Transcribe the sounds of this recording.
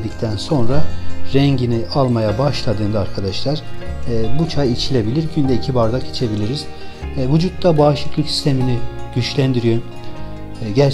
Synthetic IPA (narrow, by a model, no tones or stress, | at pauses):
d̪ic̚t̪ʰænso̞nɾaɾɛɲɟiniʔalˠmajabaʃlˠad̪ɯːnd̪ɯaɾkʰad̪aʃlˠaɾː | but͡ʃʰajit͡ʃʰilʲe̞bilʲiɾɟynd̪ɛicʰibaɾd̪akʰet͡ʃʰe̞bilʲiɾiz̥ | vud͡ʒut̪ːabaːʃˠɯklˠɯcsi̥st̪ʰeminiɟ̥yt͡ʃlʲænd̪iɾijo | ɟæɾ